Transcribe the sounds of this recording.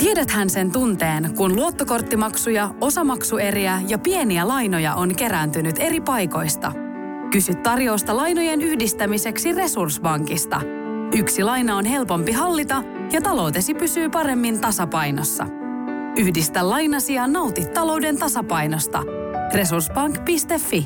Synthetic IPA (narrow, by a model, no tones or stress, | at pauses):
t̪iedæt̪hænse̞nt̪unt̪e̞ːnkunluo̞t̪ːoko̞rt̪ːimɑksujɑo̞sɑmɑksue̞riæjɑpie̞niælɑjno̞jɑ̰ʔo̞nke̞ɾænt̪ynyt̪e̞ɾipɑjko̞jst̪ɑ̰ | kysyt̪ːɑrjo̞ːst̪ɑlɑjnoje̞nyhdist̪æmise̞ksire̞sursbɑŋkist̪ɑ̰ | yksilɑjnɑonɦe̞lpo̞mpiɦɑlːit̪ɑ | jɑt̪ɑlo̞wt̪e̞sipysyːpɑɾe̞mːint̪ɑsɑpɑjno̰sːɑ̰ | yhdist̪ælːɑjnɑsiɑnːɑwt̪it̪ːɑlo̞wde̞nt̪ɑsɑpɑjno̞st̪ɑ̰ | re̞sursbɑŋkpist̪e̞fːi